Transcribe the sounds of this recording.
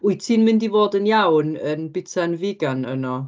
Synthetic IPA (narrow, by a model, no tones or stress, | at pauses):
ʊɨtʰiːnmɪndivoːdənjawnənbɪtʰanvɪɡanə̰nɔ